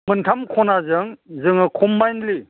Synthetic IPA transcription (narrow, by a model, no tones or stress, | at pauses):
mɯntʰamkʰɔnazɯŋzɯŋɯkʰɔmːajnli